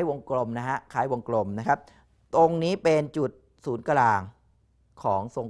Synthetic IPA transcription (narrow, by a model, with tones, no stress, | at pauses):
jwo˧ŋklo˧mna˦˥kʰa˦˥ʔkʰaː˦˥jwo˧ŋklo˧mna˦˥kʰa˦˥p̚ | t̪o˧ŋniː˦˥pe˧nt͡ɕu˨˩t̪̚ | suː˩˦nka˧laː˧ŋ | kʰɔː˩˦ŋso˧ŋ